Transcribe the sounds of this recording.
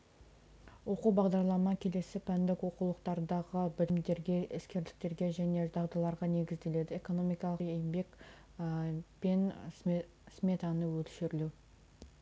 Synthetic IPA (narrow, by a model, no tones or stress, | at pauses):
wo̞quwbɑʁd̪ɑɾlˠɑmɑkʲʰe̞le̞sɪpʰænd̪ɪkwo̞qulˠəqt̪ɑɾd̪ɑʁəbɪlɪmd̪e̞ɾɡʲe̞ɪskʲe̞ɾd̪ɪ̥k̚t̪e̞ɾɡʲe̞ʒæne̞d̪ɑʁd̪ɑlˠɑɾʁɑne̞ɡʲɪzd̪e̞le̞d̪ɪeko̞no̞mijkɑlˠəejɪmbe̞k | pe̞n | smʲe̞t̪ɑnəwɵlʃɪɾlu